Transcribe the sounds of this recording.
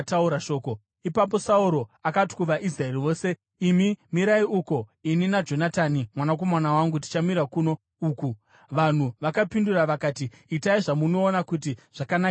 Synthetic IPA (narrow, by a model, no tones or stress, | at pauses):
tauɾaʃo̞ːko | ipap̬o̞sauɾo̞akatkuʋaʔisraeriʋo̞ːse̞ | imimiɾaiuko̞ininad͡ʒo̞nataːnimwanak̬o̞manawaŋɡut̬i̥t͡ʃamiɾakuno̞ | uːku | ʋan̤uʋakapinduraʋakaːtiːtaiʐamuno̞ːnakut̬iʐ̥akana